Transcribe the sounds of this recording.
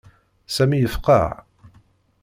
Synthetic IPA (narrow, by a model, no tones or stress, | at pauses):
sæmijəfqɑ̰ʕ